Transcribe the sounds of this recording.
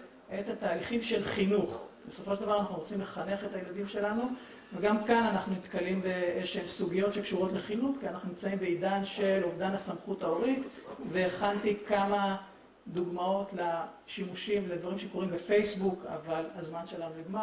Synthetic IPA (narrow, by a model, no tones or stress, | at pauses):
ʔetataːliχimʃe̞lχinuχbe̞so̞foʃeld̪avaʁanaχnuʁot͡simleχane̞χe̞tajladimʃe̞lanu | veɡamkananaχnunit̪kalimbeeʃemsuɡijo̞tʃe̞kʃuʁo̞tle̞χinuχkianaχnunimt͡saimbeidanʃe̞lovdanasamχutaoʁit̪ve̞ːχaltikama | d̪uɡmao̞tla | ʃimuʃimled̪vaʁimʃe̞ko̞ʁimbefe̞jsbuka̰valazmanʃelanudiɡma